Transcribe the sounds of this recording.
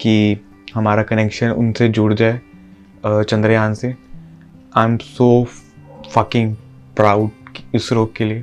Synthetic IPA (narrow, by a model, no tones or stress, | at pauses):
ki | hɐmaːɾakɐneːkʃənʊ̰nsed͡ʒʊɽd͡ʒaːe | t͡ʃɐ̃nd̪ɾəjaːnse | ãɪmsoː | fɐkɪ̃ŋɡ | pɾaːʊɖʊsɾoːɡ̚kelie